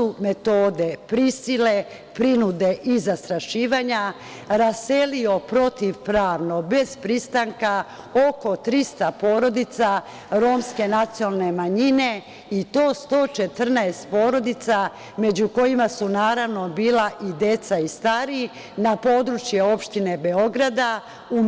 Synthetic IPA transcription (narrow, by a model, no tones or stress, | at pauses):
ume̞t̪oːd̪e̞pɾisile̞ | pɾinud̪e̞ʔizast̪ɾaʃiːʋaɲa | ɾase̞lio̞pɾo̞t̪iʋpɾaːʋno̞be̞z̥pɾist̪aŋka | o̞ko̞t̪ɾist̪apoːɾo̞d̪it̪sa | ɾo̞mske̞nat̪siolne̞maɲine̞ | it̪o̞ːst̪o̞ːt͡ʃe̞t̪r̩naest̪̚po̞ːɾo̞d̪it̪sa | me̞d͡ʑuko̞jimasunaːɾaʋno̞biːlaʔid̪e̞t̪saist̪aɾi | napo̞ːd̪ɾut͡ʃjeo̞pʃt̪ine̞be̞o̞ɡɾad̪a | u